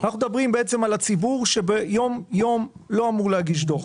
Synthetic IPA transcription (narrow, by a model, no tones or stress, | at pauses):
anaχnud̪abʁimbeet͡se̞malat͡sibuʁʃe̞bejo̞mjo̞mlo̞amuʁleɦaɡiʃ̬do̞ʁ